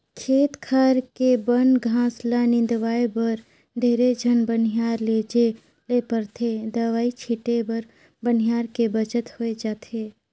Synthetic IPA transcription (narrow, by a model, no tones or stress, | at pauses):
kʰeːt̪kʰaːɾkebənɡʱãːslanɪ̃nd̪ʋaːebəɾ | ɖ̪ʱeːɾed͡ʒʱənbən̤ijaːɾleːd͡ʒe | leːpəɾt̪ʰed̪ɐʋaːit͡ʃʰiʈebəɾ | bən̤ijaːɾkebət͡ʃət̪hoed͡ʒaːt̪ʰeː